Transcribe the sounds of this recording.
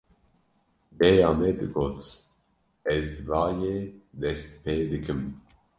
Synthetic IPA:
bɛjaːmɛd̪ɨɡoːt̪ | ɛzvɑːjeːd̪ɛst̪̚pʰeːd̪ɨkʰɨm

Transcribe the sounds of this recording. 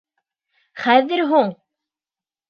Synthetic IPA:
χæðɘɾɦuɴ

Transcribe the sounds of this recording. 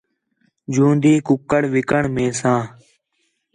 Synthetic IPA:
d͡ʒũːnd̪iːkʊkːəɽʋɪkəɳmẽːsãː

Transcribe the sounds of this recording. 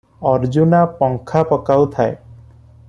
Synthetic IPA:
ɔɾd͡ʒunapɔŋkʰapɔkawt̪ʰae

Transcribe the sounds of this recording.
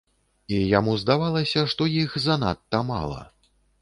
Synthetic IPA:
ijamuzd̪avalˠɐsʲɐʂt̪ɔjixzɐna̰t̪ːɐma̰lˠɐ̰

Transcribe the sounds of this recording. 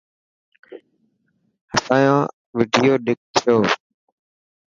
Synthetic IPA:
həsaːjãː | ʋɪɖʱɪjoːɗɪk̚t̪ʰoː

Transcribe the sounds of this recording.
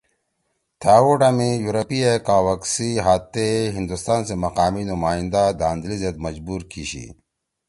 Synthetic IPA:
t̪ʰaːwuʈamijuɾɐpiekaːwɐksiɦaːt̪ːeɦĩnd̪ust̪aːnsemɐqaːminumaːĩnd̪ad̪aːnd̪lized̪mɐd͡ʑbuːɾkʰiɕḭ

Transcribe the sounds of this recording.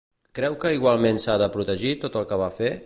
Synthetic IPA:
kɾɛwkəiɣwalˠmensaðəpɾut̪əʒit̪ot̪əlˠkəβ̞afe

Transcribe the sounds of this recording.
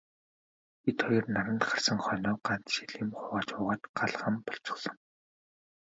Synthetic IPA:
it̪χɔjɞ̆rnaɾə̆nt̪χḁrsə̆ŋχœnɔːɢan̥t͡s̪ʃiɮiːmχʊʁaːt͡ɕʊːʁaːt̪ɢaɮʁə̆mpɔ̥ɬt͡sɞ̆sɞ̆ŋ

